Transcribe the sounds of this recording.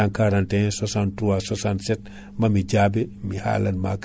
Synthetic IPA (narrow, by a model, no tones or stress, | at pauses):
aŋkaɾantɛsɔsantɾuwasɔsansɛt̚ | mɐmiɟaːbɛmiha̰ːlɐnma̰k